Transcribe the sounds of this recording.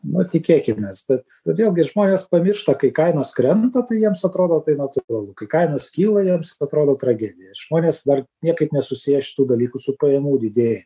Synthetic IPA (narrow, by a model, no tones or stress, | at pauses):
nʊt̪ʲɪkʲeːkʲɪmʲeːsbʲɛt̪ʋʲeːlˠɡʲɪʒmoːnʲeːspɐmʲɪrʃt̪ɐkɐɪkɐɪnoːskɾʲɛnt̪ɐt̪ɐɪjiɛmsɐt̪ɾoːd̪oːt̪ɐɪnɐt̪ʊɾɐlˠʊkɐɪkɐɪnoːskʲiːlˠɐjiɛmsɐt̪ɾoːd̪oːt̪ɾɐɡʲæːd̪ʲɪjɛɪʒ̥moːnʲeːsd̪ɐrnʲiɛkɐɪpnʲɛsʊsʲijɛʃʲɪ̥t̪uːd̪ɐlʲiːkusʊpɐjɛmuːd̪ʲɪd̪ʲeːjɛ